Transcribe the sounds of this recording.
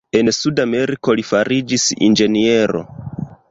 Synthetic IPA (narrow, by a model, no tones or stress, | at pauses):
e̞nsudame̞ɾiko̞lifaɾid͡ʒisḭnd͡ʒe̞nie̞ɾo̞̰